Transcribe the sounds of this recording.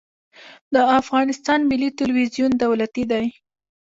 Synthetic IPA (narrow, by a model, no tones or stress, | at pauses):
d̪əafɣɑnɪst̪ɑnmɪlːit̪ɪlwizjund̪awlat̪id̪aj